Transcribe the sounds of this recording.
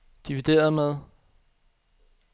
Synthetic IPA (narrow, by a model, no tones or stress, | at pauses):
d̥iʋid̥e̝̰ːɐðˠmeðˠ